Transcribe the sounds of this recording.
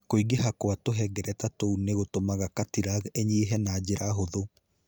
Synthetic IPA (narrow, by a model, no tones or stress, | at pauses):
koiɡeɦakwatoɦɛɡɛɾɛtatouneɣotomaɣakatiɾaɣeɲeɦɛnaːd͡ʑeɾaɦoðo